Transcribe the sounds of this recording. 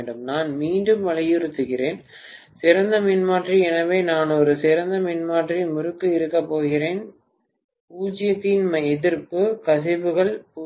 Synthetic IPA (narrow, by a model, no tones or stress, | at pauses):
ɳɖɯmnaːnmiːɳɖɯmʋɐɻɐjɪɾɯt̪ːɯɣɪreːn | sɪɾɐnd̪ɐmɪnmaːʈriɛnɐʋeːnaːnɔɾɯsɪɾɐnd̪ɐmɪnmaːʈrimʊɾɯkːɯɪɾɯkːɐpːoːɣɪreːn | puːd͡ʒɪjɐt̪ːɪnmɐɛðɪɾpɯkɐsɪbɯɣɐɭpː